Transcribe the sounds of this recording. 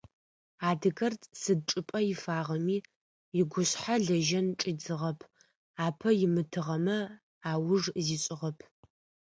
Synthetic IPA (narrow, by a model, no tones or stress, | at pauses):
aːdɨɡɐrtʼsɨd̚ʈ͡ʂʼɨpʼɐjɪfaːʁɐmiː | jɪɡʷʊɕħaɮɐʒɐnʈ͡ʂʼid͡zɨʁɐpʰ | aːpʰɐjɪmɨtʰɨʁɐmɐ | aːwʊʐziːɕʼɪʁɐpʰ